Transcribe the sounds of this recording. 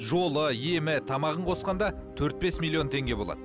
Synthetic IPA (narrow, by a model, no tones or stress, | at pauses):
ʒo̞lˠəje̞mɪt̪ʰɑmɑʁəɴqʰo̞sqɑnd̪ɑt̪ʰɵɾt̪̚be̞smʲilʲˠːio̞nt̪ʰe̞ŋɡʲe̞bo̞lˠɑ̰d̪ə